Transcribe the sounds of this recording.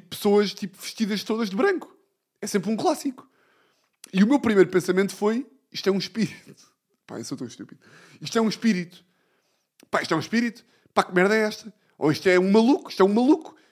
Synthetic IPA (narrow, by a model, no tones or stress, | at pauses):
pɨ̥soɐʃt̪ipuvɨʃt̪iðɐʃt̪oðɐʒðɨβɾɐ̃ŋku̥ | ɛsẽmpɾũklˠasiku̥ | iumewpɾimɐjɾupẽsɐmẽnt̪u̥foj | iʃt̪wɛũʃpiɾit̪u̥ | pa̰ḛwsowt̪ɐ̃w̃ʃt̪upiðu | iʃt̪ɛũʃpiɾit̪u̥ | paiʃt̪ɛũʃpiɾit̪u̥ | pakmɛɾðɐɛʃt̪ɐ | o̰iʃt̪ɛũmɐlˠukuiʃt̪ɛũmɐlˠuku̥